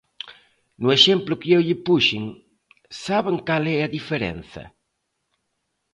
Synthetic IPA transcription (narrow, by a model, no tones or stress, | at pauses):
nueʃemplʊkeewʎɪpuʃiŋ | saβeŋkalɛɐðifeɾɛ̰nθɐ̰